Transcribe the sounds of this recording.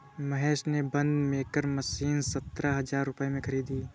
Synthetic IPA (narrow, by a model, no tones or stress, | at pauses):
mɐɦɛːʃnebɐ̃nd̪mẽkəɾmɐsiːnsɐt̪ɾaɦɐzaːɾːʊpemẽkʰɐɾiːd̪iː